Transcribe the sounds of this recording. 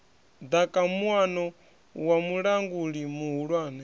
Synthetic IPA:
d̪akʼamuwanɔ | wamuɺaŋɡuɺimuɦuɺwaːnɛ

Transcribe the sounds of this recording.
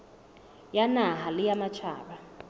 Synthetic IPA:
janaɦalɪjamat͡ʃʰa̰ːɓa

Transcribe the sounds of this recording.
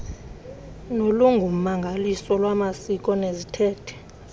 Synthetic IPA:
noluŋɡʱum̩maŋɡʱalisɔlwamasik̬ʼɔnezitʰɛːtʰɛ̥

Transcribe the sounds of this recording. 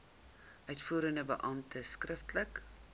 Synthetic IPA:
ʔœɥtfuːɾəndəbəʔɐmtʰəskrəftlək

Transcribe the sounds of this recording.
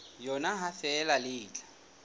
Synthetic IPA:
jɔnaɦafɛːlalɪːt͡ɬʼḁ

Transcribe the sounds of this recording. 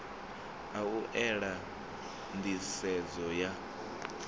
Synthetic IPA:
auʔɛɺa | nd̪isɛd͡zɔja

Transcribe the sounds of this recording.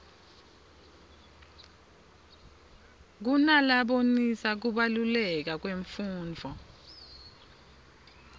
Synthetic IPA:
k̬unalaɓonisak̬uɓalulɛk̬ak̬weɱfuːnd͡vʱɔ

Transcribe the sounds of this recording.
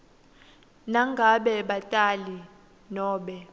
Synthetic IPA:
naŋɡʱaɓɛɓatʼali | nɔːɓɛ

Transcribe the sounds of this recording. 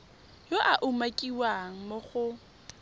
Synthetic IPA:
joʔaʔʊmakʼiwaŋ̩moχʊ

